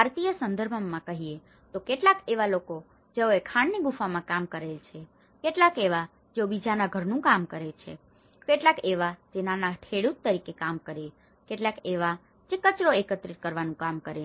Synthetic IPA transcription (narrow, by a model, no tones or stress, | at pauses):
bʱaɾt̪ijəsənd̪əɾbʱəmãkəɦie | t̪okeʈlakeʋaloko | d͡ʒeoekʰaɳneɡufamãkamkəɾelt͡ʃʰe | keʈlakeʋa | d͡ʒobid͡ʒanaɡʱəɾnũkamkəɾet͡ʃʰḛ | keʈlakeʋad͡ʒenanaʈʰeɽut̪ːəɾikekamkəɾe | keʈlakeʋa | d͡ʒekət͡ʃɾoekət̪ɾit̪̚kəɾʋanũkamkəɾe